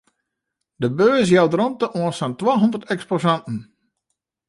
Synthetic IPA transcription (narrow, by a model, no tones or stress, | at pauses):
dəbøːs̬jawdrɔntəʔoənsantwaːɦɔndərtɛksposantn̩